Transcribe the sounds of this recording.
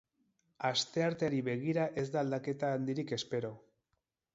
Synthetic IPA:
ast̪e̞aɾt̪eaɾiβe̞ɣ̞iɾaʔe̞zd̪aːld̪ake̞t̪aːnd̪iɾike̞spe̞ɾo̞

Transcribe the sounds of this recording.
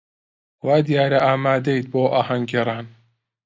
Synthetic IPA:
waːd̪ijaːɾaʔaːmaːd̪ejt̪̚boːʔaːhaŋɡeɾˤaːn

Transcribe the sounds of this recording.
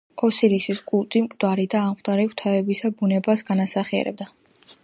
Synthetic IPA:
ɔsiɾisisɡʼulˠt̪ʼimkʼd̪̥aɾid̪aːmqʼd̪ʼaɾikt̪ʰavɛbisabunɛbasɡanasaχiɛ̰ɾɛ̰b̚d̪a

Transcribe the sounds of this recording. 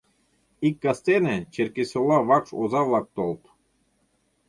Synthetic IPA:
ikʲːɑst̪enet͡ɕeɾkʲesʲolˠɑʋɑkʂozɑvlˠɑk̚t̪olˠt̪

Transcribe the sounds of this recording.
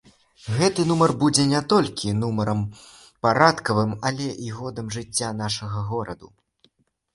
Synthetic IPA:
ɣɛt̪ɨnumɐrbud͡zʲɛnʲɛt̪ɔlʲkʲinumɐɾɐm | paɾat̪kɐvɨmɐlʲɛʔiɣɔd̪ɐmʐɨt͡sʲːan̪aʂɐɣɐɣɔɾɐd̪u

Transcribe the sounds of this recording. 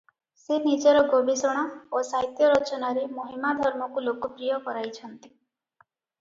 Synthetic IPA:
senid͡ʒɔɾɔɡoɽisɔɽ̃aosaɦjt̪jɔɾɔt͡ʃɔnaɾemoɦimad̪ʱɔɾmɔkulokɔpɾijɔkɔɾajt͡ʃʰɔnt̪i̥

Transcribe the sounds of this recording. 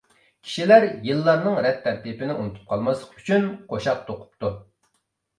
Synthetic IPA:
kʲʰi̥ʃilæɾjɨlˠːɑɾnɨŋɾɛt̪ʰːæɾt̪ipɪnɪʔunɨt̪ʰu̥p̚qʰɑlˠmɑslˠə̥qy̥t͡ʃʰynqʰoʃɑq̚t̪ʰoqʰʊ̥p̚t̪u

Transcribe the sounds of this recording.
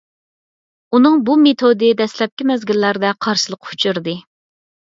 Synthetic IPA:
unɨŋbumet̪ʰod̪ɨd̪ɛslɛp̚kʲimɛzɡʲilːæɾd̪ɛqʰɑɾʃɨlˠəqu̥t͡ʃʰuɾd̪ɨ

